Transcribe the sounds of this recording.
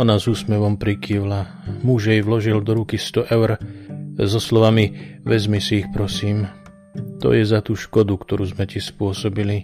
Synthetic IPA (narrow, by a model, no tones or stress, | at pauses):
ɔnazuːsmɛʋɔmpɾikiwla | muʒjɛjʋlɔʒild̪ɔɾukist̪ɔʔɛʊɾ | zɔslɔʋamiʋɛzmisiːxpɾɔsiːm | t̪ɔ̰jɛzat̪uːʃkɔd̪ukt̪ɔɾuːzmɛc̪ispʊɔsɔbili